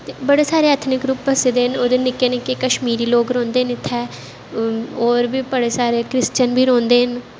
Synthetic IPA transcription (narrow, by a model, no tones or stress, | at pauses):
t̪ebəɽeːsaːɾeːət̪ʰnɪkɾuːpbəseːd̪eːɦənoːd̪eːnɪkːeːnɪkeːkəʃmiːɾiːloːɡɾɔ̃ːnd̪eːɦənɪt̪ʰːɛː | oːɾbiːbəɽeːsaːɾeːkɾɪst͡ʃənbʱiːɾõːnd̪eːɦən